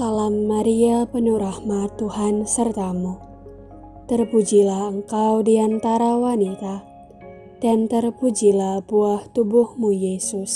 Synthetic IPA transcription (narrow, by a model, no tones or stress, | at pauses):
salamːaɾiapənuɾahmat̪uhansərt̪amu | t̪ərpud͡ʒilahəŋkawdiant̪aɾawanit̪a | d̥ant̪ərpud͡ʒilahbuaht̪ubʊhmujesʊs